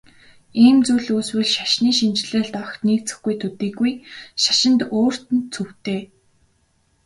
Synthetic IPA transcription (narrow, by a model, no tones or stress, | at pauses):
iːmt͡suːɮuːswɘ̆ɮʃaʃniːʃint͡ɕɮeːɮt̪ɔw̆xt̪niːk̚t͡sɘ̆xɡujt̪ʰɵt̪iːɣujʃḁʃɪ̆nt̪oːr̥t̪ɘ̆nt̪t͡sʰɵw̥t̪eː